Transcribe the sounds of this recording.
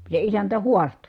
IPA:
se isæntæ huɑsto

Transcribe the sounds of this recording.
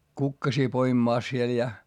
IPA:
kukːɑsiː poimĭmɑˑs siel jɑ

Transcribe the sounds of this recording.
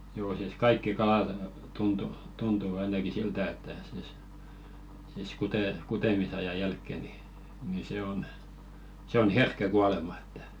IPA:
joː siˑs kɑikːi kɑlɑt tuntu tuntu ɑinɑki siltæ etːæ siˑs siːs kute kutemisɑjɑ jælkːe ni ni se on se on herkːæ kuɑlemɑ e̥tːæ̥

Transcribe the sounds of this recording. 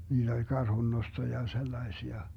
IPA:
niːd̥ olʲ kɑrhunːosto jɑ selːɑesiɑ

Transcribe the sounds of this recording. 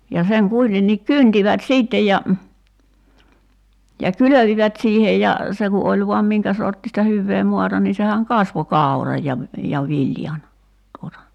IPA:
jɑ seŋ kuitenːiːk kyntiʋæt siːtːej jɑ jɑ kyløʋiʋæt siːhej jɑ se ku olʲ ʋoɑm miŋkæ sortːistɑ hyʋːeː moɑtɑ ni sehæŋ kɑsʋo kɑˑu̞rɑj jɑ jɑ ʋiljɑn tuotɑ

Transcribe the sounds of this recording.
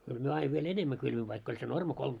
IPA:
kyl myø ɑiʋ ʋiel enemːæ kylʋiʋ ʋɑikː olʲ se normɑ kolm

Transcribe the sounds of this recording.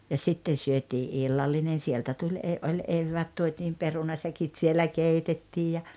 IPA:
jɑ sitːen syøtiː ʔilːɑlːinen̞ sieltæ tulʲ eː olʲ eʋːæːt tuotʲiːm perunɑsækit sielæ keitetːiːj jɑ

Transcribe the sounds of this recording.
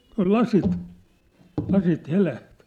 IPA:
tuɑ̝l lɑsit lɑsit helæht

